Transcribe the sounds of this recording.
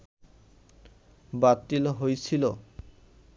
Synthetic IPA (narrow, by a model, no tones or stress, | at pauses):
bat̪iloɦojsʰilo